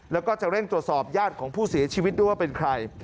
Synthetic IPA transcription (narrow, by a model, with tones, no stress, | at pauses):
lɛː˦˥wkɔː˥˩t͡ɕa˨˩kɾe˥˩ŋt̪ɾu˨˩ət̪̚sɔː˨˩p̚jaː˥˩t̪̚kʰɔː˩˦ŋpʰuː˥˩si˨˩˦ɐt͡ɕʰi˧wi˦˥t̪̚du˥˩˨waː˥˩pe˧nkʰɾa˧j